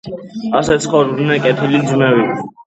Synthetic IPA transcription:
asɛt̪sʰχɔɾnɛkʼɛt̪ʰilid̪zmɛwi

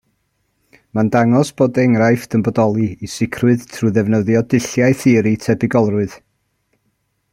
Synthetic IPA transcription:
mandaŋɔsb̥oːdɛŋrajfd̥əmbɔdɔlˠiisɪkʰrwɨðtʰruðɛvnəðjɔdɪɬjajθɨɾitʰɛbɪɡɔlˠrʊɨð̥

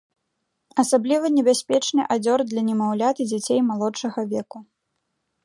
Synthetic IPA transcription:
ɐsablʲivɐnʲɛbʲasʲpʲɛt͡ʂnɨʔad͡zʲɔrd̪lʲɐnʲɛmawlʲat̪ɨd͡zʲat͡sʲejmalˠɔt͡ʂɐɣɐvʲɛku

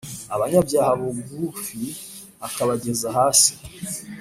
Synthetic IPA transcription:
aβaɲabjaːhaβoɡɡufi | akaβaɟe̞zaɦaːsi̥

